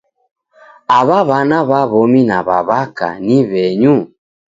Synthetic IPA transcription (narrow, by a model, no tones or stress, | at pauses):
aβaβanaβaβɔminaβaβaka̰niβɛɲu